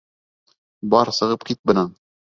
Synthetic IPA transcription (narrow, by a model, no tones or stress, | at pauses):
bɑɾsɤ̆ʁɤpkit̪̚bɤ̆nɑn